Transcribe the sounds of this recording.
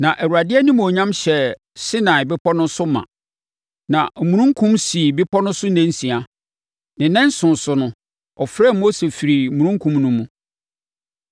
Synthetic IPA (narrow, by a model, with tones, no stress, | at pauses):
nã˨ʔɛ˨wu˨ɾa˨dɪ˦ɛ˦nɪ̃˦m˨o˨ɲã˦mɕɛ˨ | sɪ˦nã˨ɪ˨bɪ˦pʰɔ˦nʊ̃˦sʊ˦mã̰˨ | nã˨mũ˨ɾũ˦ŋ̩˦kʰũ˦msi˨bɪ˦pʰɔ˦nʊ̃˦sʊ˦nɛ̃˦n˦sĩ˨a˨ | nɪ̃˨nɛ̃˦n˦sʊ̃˨n˨sʊ˨nʊ̃˦ | ɔ˨fɾɛ˦˨mo˦se˨fi˨ɾi˨mũ˨ɾũ˦ŋkʰũ˦mnʊ̃˦mũ˦